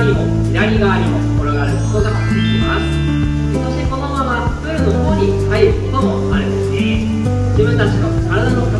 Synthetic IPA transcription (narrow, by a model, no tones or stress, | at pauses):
ɾʲimo̞ | iɾaɾʲiɡaːɾʲimot̪oko̞ɾo̞ɡaːɾɯ̟kot̪oɡa | imasɨ̥ | kot̪oɕko̞d̪omaβa | bɯɾɯ̟not̪okoɲ̟ikaiokid̪omo | aɾɯd̪esɨne | d͡ʑibɯ̟̃nt̪at͡ɕiβakaɾad̪anok